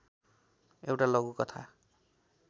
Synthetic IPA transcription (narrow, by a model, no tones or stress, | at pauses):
ewʈalʌɡukʌt̪ʰa̰